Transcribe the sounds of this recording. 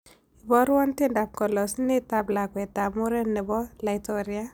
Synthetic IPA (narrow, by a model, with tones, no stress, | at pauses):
i˨bɔ˦ɾwɔ˦ntɪ˦nda˨p̚kɔ˨lɔ˨snɪ˦ta˨bla˨kwɛ˨tːa˨mo˦ɾɛ˦nːɛ˨bɔ˦la˨ɪtɔ˦ɾi˦a˦